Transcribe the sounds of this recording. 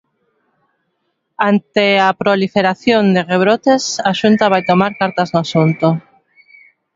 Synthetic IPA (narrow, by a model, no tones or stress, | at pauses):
ant̪eapɾolifeɾaθjond̪ereβ̞ɾot̪esaʃunt̪aβajt̪omaɾkaɾt̪aznʊasunt̪o